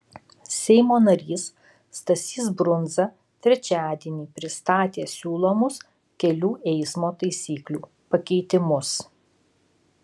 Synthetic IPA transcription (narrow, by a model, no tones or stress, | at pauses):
sʲɛɪmoːnɐɾʲiːsː | t̪ɐsʲiːsbɾʊnzɐ | t̪ʲɾʲɛt͡ʃʲæːd̪ʲiɛnʲiːpʲɾʲɪst̪ɑːt̪ʲeːsʲuːlˠoːmʊs | kʲɛlʲuːʔɛɪsmoːt̪ɐɪsʲiːklʲuː | pɐkʲɛɪt̪ʲɪmʊs